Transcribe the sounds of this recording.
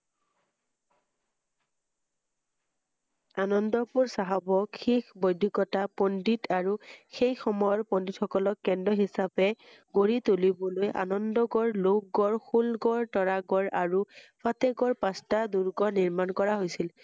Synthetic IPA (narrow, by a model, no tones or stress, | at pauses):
anɔndɔpuɹsaɦabɔxʰikbɔjdʱikɔtapɔnditʰaɹuxejxɔmɔjɔɹpɔnditxɔkɔlɔkːɛndɔɦisapɛ | ɡoɹit̪ulibɔlojʔa̰nɔndɔɡɔɹlok̚ɡɔɹxulɡɔɹtɔɹaɡɔɹʔaɹufʰatɛɡɔɹpastaduɹɡɔniɹmankɔɹaɦojsil